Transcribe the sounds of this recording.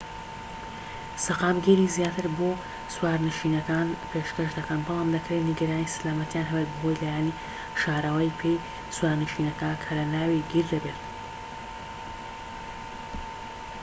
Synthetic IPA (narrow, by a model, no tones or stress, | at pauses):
sɐqaːmɡeɾizjaːt̪ɨɾboː | swaːɾnɨʃiːnɐkaːnpʰeːʃkɐʃd̪ɐkɐnbɑlaːmd̪ɐkɾeniɡɐɾaːnisɨlaːmɐt̪ijaːnɦɐbet̪̚bɐɦo̞jlaːjaːni | ʃaːɾɐwɐjpʰe̞j | swaːɾnɨʃinɐkakʰɐlɐnaːwiɡiɾd̪ɐbet̪